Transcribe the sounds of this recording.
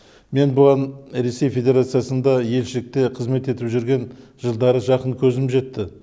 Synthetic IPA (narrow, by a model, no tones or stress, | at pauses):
me̞nbʊʁɑnɾe̞se̞jfʲe̞d̪ʲe̞ɾat̪sɨjasənd̪ɑje̞lʃɪlɪk̚t̪e̞qʰəzme̞t̪e̞t̪ɪpʒʏɾɡʲe̞nʒəlˠd̪ɑɾəʒɑqəɴkʲʰɵzɪmʒe̞t̪ːɪ